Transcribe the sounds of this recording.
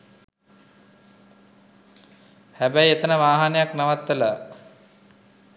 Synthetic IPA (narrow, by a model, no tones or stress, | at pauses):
hæbæjet̪ənəʋaːɦanejaknaʋat̪ːəla